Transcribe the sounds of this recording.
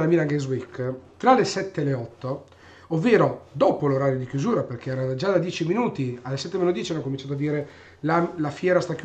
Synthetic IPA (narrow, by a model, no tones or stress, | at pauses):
lamilaŋɡezwikːt̪ɾalesɛt̪ːealːeɔt̪ːo | ovːeːɾod̪oːpoloɾaːɾjod̪ikjuzuːɾaperk̟eɛːɾad͡ʒad̪ad̪jɛːt͡ʃiminuːt̪ialːesɛt̪ːemenːod̪jɛːt͡ʃianːokomint͡ʃaːt̪oad̪iːɾe | lalafjɛːɾast̪ak